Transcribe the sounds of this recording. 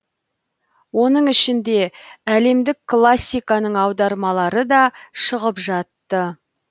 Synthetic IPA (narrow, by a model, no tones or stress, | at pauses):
wo̞nəɴɪʃɪnd̪e̞æle̞md̪ɪkkʰːlˠasʲːijkɑnəɴɑwd̪ɑɾmɑlˠɑɾəd̪ɑʃəʁəpʒɑt̪ːə